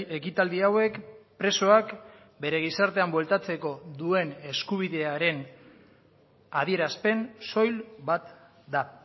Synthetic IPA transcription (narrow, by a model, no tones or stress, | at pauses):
e̞kit̪ald̪iawe̞kpɾe̞so̞ak | be̞ɾe̞ɣ̞isaɾt̪e̞ambwe̞lt̪at͡se̞ko̞ðue̞ne̞skuβ̞iðe̞aɾe̞n | aðie̞ɾaspe̞nso̞jlbat̪ | d̪a